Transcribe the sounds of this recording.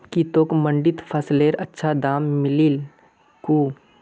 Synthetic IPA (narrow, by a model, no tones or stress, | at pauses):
kit̪oːkmə̃ɳɖɪt̪pʰɐsleːɾɐtːʃʰad̪aːmːɪlil | kuː